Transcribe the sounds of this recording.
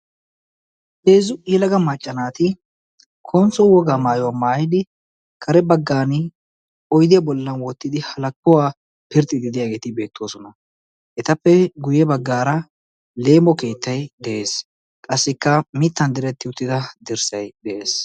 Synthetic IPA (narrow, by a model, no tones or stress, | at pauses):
heːzʊʔjɛlɐɡɐmaːt͡ʃʼːɐnaːt̪ɪ | kʰɔnt͡sːɔwɔɡaːmaːjɔwamaːjɪd̪ɪ | kʰɐɾɛbɐɡːaːnɪ | ɔjd̪ɪjɐbɔlːɐnwɔt̪ːɪd̪ɪhɐlɐkːʊwaː | pɪɾt̪ʼːɪd̪ɪd̪ɪjaːɡe̞ːt̪ɪbe̞ːt̪ʰːoːsɔnɐ | ʔɛt̪ɐpːɛɡʊjɛbɐɡːaːɾɐ | le̞ːmɔke̞ːt̪ːɐjd̪ɛʔeːs | kʼɐsːɪkːɐmɪt̪ːɐnd̪ɪɾɛt̪ːɪʊt̪ːɪd̪ɐd̪ɪɾsɐjd̪ɛʔeːs